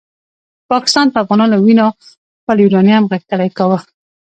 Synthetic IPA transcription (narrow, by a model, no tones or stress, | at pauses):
pɑkɪ̥st̪ɑnpəafɣɑnɑnowinɑ | pəljuɾɑnjɑamɣakəlajkawə